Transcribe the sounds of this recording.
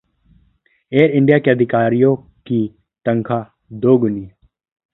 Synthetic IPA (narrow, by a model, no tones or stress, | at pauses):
eːɾɪ̃ɳɖijaːkeɐd̪ʱɪkaːɾijõ | ki | t̪ə̃ŋkʰaː | d̪oːɡʊniː